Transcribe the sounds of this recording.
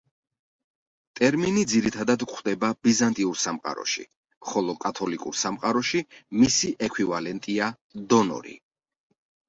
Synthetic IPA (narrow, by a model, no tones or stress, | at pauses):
t̪ʼɛɾminid̪ziɾit̪ʰad̪ad̪kʼʰwd̪ɛbabizant̪ʼiuɾsamqʼa̰ɾɔ̰ʃḭ | χɔlˠɔkʼat̪ʰɔlikʼṵɾsamqʼaɾɔʃimisiʔɛkʰwivalɛnt̪ʼia | d̪ɔnɔ̰ɾḭ